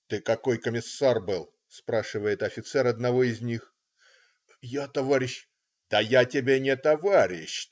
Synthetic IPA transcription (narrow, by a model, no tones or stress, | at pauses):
t̪ɨkɐko̞jkəmʲɪsːarbɨlˠ | spɾaʂɨvəjɪt̪ɐfʲɪt̪sɛɾɐd̪nɐvo̞ɪzʲnʲix | jat̪ɐvaɾʲɪɕ | d̪̥əjatʲɪbʲenʲɪt̪ɐvaɾʲɪɕ